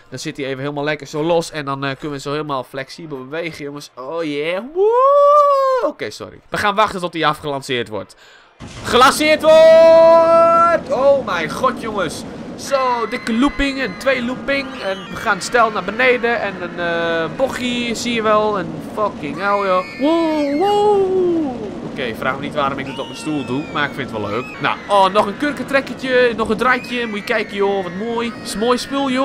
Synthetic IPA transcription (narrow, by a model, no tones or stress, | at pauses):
d̥ɔnsɪtieːvəhɪːlˠmalˠɛkərsoːlosɛndɔnkønəʋəsohɪːlˠmalˠflɛksibəl̩ˠbəʋeːɣəjoŋəsoːjɛwo | oːkeːsɔ̰rḭʋəxaːnʋaxtətɔtiafχəlansɪərtʋɔ̰rt | χəlansɪərtʋo | toːmɛjxɔtjoŋəsːoːdɪkəlupɪŋɛntʋeːlupɪŋɛnəxanstɛlˠnabəneːdəʔɛnənəboxisiəʋɛlˠɛn | fɔkɪŋaljouwu | okeːfra̰ːxmənitʋaːɾomɪk̚dətɔpənstuːlˠdumaɪkfɪnətʋɔ̰lˠːø̰ːkna̰ɔnɔxənkørkətrɛkətjənɔxəndrajtʰjəmujəkɛjkəjoːʋɔtmoəjsmoːjspulˠjo